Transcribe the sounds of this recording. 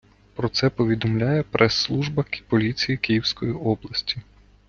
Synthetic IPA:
pɾɔt̪sɛpɔʋʲid̪ɔmlʲajɛpɾʔɛsːlˠuʒbɐkpɔlʲit͡sʲijikʲijiwsʲkɔjiɔblˠɐsʲtʲi̥

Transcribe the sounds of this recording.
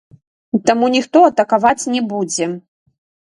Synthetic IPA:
t̪amunʲixt̪ɔɐt̪ɐkavat͡sʲnʲɛbud͡zʲɛ

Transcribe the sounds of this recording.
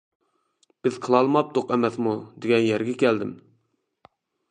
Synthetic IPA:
b̥ɪzqʰəlˠɑlˠmɑp̚t̪oqɛmɛsmud̪eɡʲɛnjɛɾɡʲɛkʲæld̪ɪm

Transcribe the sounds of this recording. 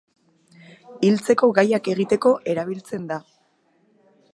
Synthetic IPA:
ilt͡se̞ko̞ɣajake̞ɣit̪e̞ko̞ʔe̞ɾaβ̞ilt͡se̞nd̪a

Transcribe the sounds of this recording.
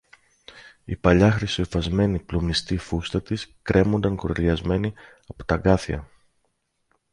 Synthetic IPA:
ipɐʎɐxɾisofɐzme̞niplomnist̪ifust̪ɐt̪iskɾʔe̞mo̞nd̪ɐŋkoɾeliɐzme̞ni | ɐpo̥t̪ɐɡɐθiɐ̰

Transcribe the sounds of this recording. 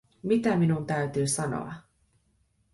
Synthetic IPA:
mit̪æminunt̪æyt̪yːsɑno̰ɑ̰

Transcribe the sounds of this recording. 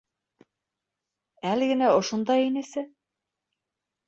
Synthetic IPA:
ælɘ̆ɡɘ̆næŏʃŏnd̪ɑjinɘ̆sɘ

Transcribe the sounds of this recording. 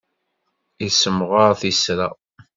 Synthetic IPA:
isəmʁaɾθisɾa̰

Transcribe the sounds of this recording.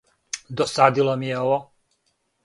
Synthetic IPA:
d̪ɔsad̪ilɔmiɛɔʋɔ

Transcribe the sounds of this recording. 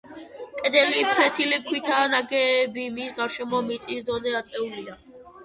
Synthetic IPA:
kʼɛd̪ɛlipʰɾɛt̪ʰilikʰwit̪ʰaːnaɡɛːbimisɡaɾʃɛmɔmit̪sʼisd̪ɔnɛat̪sʼɛulia

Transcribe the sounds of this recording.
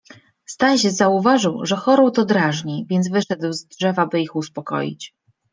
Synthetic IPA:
st̪anɕɛzauvaʐɘwʐɛxɔɾɔwt̪ɔd̪ɾaʐɲivʲjɛnd̪zvɘʂɛd̪wzdʐɛvabɘixuspɔkɔ̰jḭt͡ɕ

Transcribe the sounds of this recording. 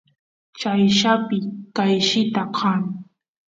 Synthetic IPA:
t͡ʃajʃapɪkajʃɪt̪aqʰɑŋ

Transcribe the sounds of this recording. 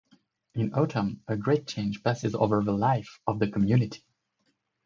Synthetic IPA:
ɪ̃noʊɾʰə̃məɡɹeɪt̚t͡ʃʰẽɪ̃nd͡ʒ̥pæsɨzo̰ʊvə˞ðəlaɪfʌvðɨkʰəmjʉnɨtʰi̥

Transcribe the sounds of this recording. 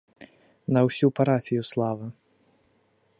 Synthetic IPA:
nɐwsʲupaɾafʲijuslˠavɨ

